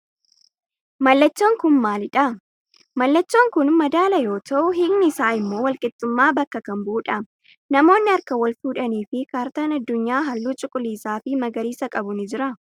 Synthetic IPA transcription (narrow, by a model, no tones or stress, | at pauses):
mɐlːɐt͡ʃːo̞ːŋkʊnmaːlɪᶑɐ | mɐlːɐt͡ʃːo̞ːŋkʊnmɐd̪aːlɐjo̞ːt̪ʰɐʔʊɦɪɡnɪɪsaːɪmːo̞ːwɐlkʼɪt̪ʼːʊmːaːbɐkːɐkɐmbuːᶑɐ | nɐmo̞ːnːɪɐɾkɐwɐlfuːᶑɐniːfɪkaːɾt̪aːnɐd̪ːʊɲːaːɦɐlːuːt͡ʃʼʊkʼːʊliːsaːfɪmɐɡɐɾiːsɐkʼɐbʊnɪd͡ʒɪɾɐ